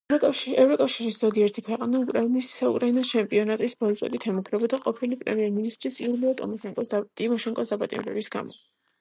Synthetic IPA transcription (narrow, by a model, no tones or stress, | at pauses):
ɛvɾɔkʼafʃiɾisz̥ɔɡiɛɾt̪ʰikʰwɛqʼanaukʼɾainisaukʼɾainat͡ʃʰɛmpʼiɔnat̪ʼisbɔɾt͡ʃsʼwɛ̰d̪it̪ʰɛmɔɡɾɛbɔd̪aqʼɔpʰilipʼɾɛ̰miɛɾminist̪ʼɾisiuliɔt̪ʼ | t̪ʼimɔʃɛŋkʼɔsd̪apʼat̪ʼḭmɾɛ̰bisɡ̥a̰mɔ̰